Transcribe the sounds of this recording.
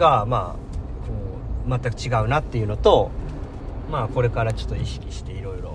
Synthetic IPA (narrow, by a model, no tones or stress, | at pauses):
ɡama̰ː | kʰo̞ː | mat̪ːakɯ̟̥t͡ɕiɡaɯ̟nat̪ːe̞jɯ̟no̞t̪o̞ | maːko̞ɾe̞kaɾat͡ɕo̞̥t̪ːo̞iɕi̥kʲi̥ɕi̥t̪e̞iɾo̞iɾo̞̰